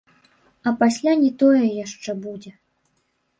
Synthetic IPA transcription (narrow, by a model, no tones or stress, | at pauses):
ɐpasʲlʲanʲɛt̪ɔjɛjaʂt͡ʂɛbud͡zʲɛ